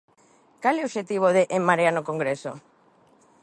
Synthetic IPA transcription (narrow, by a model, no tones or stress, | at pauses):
kaleoʃet̪iβ̞oðeʔemmːaɾeanokoŋɡɾeso